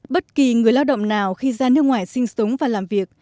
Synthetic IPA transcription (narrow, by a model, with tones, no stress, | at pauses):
ɓə˦˥t̚ki˨˩ŋɨ˨˩əjlaː˧wɗə̰˧˨wŋ͡mnaː˨˩wxi˧zaː˧nɨ˦˥ək̚ŋwaː˧˨˩jsï˧ŋ̟so˨˦wŋ͡mvaː˨˩laː˨˩mvi˨˩ək̚